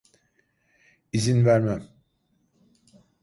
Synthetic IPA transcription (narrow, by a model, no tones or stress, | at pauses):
izinvæɾmæm